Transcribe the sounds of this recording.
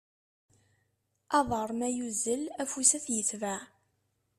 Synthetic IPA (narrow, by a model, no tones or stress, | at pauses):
ɑðˤəɾˤmæjuzəlæfusæθjəθvæ